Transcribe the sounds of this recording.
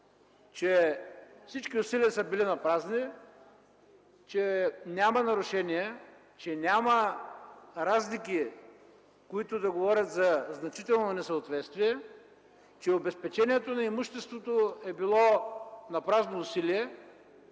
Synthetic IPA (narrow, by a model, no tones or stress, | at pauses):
t͡ʃɛfsit͡ʃkiʊsiliəsəbilinɐpɾazni | t͡ʃɛnʲamɐnɐɾʊʃɛniɛ | t͡ʃɛnʲamɐ | ɾazlikʲi | koit̪ʊd̪ɐɡovɔɾʲɐt̪zɐznɐt͡ʃit̪ɛlˠnonɛsəot̪vɛt̪st̪viɛ | t͡ʃɛobɛspɛt͡ʃɛniɛt̪onɐimuʃt̪ɛst̪vot̪oɛbilˠɔnɐpɾaznoːsiliɛ